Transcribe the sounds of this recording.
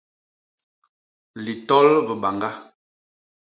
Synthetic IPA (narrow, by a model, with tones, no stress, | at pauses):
li˨tɔ˦lbə˨ba˨ŋɡa˦